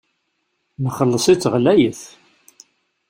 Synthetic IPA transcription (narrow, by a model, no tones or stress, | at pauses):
məχəlːəsˤit͡sːəʁlæjəθ